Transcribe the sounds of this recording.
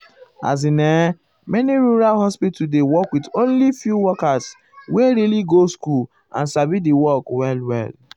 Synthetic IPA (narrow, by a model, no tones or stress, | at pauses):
a̰z̬inɛ | mɛniɾuɾalɦɔspitudewɔkwidõnlifjuwɔkas | weɾiliɡoskul | ã̰nsabidiwɔkwɛlwɛ̰l